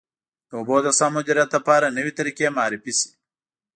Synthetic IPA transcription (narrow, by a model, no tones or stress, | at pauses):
d̪əoboːd̪ɐsamʊd͡ʒɐɾat̪̚d̪ɐpaːɾanəwit̪ɐɾikemaːɾifisi̥